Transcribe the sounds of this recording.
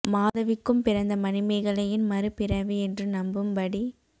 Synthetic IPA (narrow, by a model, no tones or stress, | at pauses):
maːðɐʋɪkːɯmpɪɾɐnd̪ɐmɐnɪmɐɪɣɐɭɐjɪnmɐɾɯpɪɾɐʋiɛndrɯnɐmbɯmpɐɽi